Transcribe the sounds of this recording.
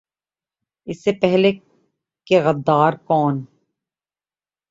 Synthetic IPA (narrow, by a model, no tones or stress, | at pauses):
ɪsːepɛɦle | keɣɐd̪ːaːɾkɔːn